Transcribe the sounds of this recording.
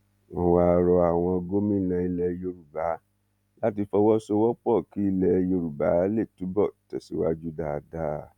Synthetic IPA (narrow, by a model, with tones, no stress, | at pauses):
wɔ̃˧wa˦ɾɔ˧a˨w̃ɔ̃˧ɡo˦mĩ˦lã˧i˧lɛ˧jo˧ɾu˨ba˨˦ | la˦ti˧fɔ˧wɔ˦so˧wɔ˦k͡pɔ˦˨ki˦i˧lɛ˧jo˧ɾu˨ba˨˦le˦˨tu˨˦bɔ˦˨tɛ˨si˨˦wa̰˦d͡ʒu˦da˧da˦˨